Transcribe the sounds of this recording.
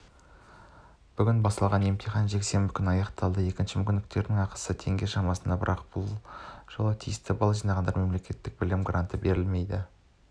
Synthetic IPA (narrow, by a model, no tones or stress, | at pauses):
b̥ʏɡʲɪnbɑst̪ɑlˠʁɑne̞mt̪ʰiχɑnʒekse̞mbɪkʲʰʏnɑjɑqt̪ɑlˠd̪əe̞kʲɪnʃɪmʏkʲʏnɪk̚t̪e̞ɾd̪ɪŋɑqə̥sət̪ʰe̞ŋɡʲe̞ʃɑmɑsənd̪ɑbəɾʔɑq̚b̥ʊlˠʒ̥əlˠət̪ʰijɪst̪ɪbɑlˠɑʒijnɑʁɑnd̪ɑɾme̞mle̞kʲe̞t̪ːɪk̚bɪlɪmɡrant̪əbe̞ɾɪlme̞jd̪ɪ